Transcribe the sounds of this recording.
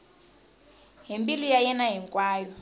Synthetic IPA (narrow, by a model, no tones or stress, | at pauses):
ɦimbilujajɛnaɦiŋkʼwaːjɔ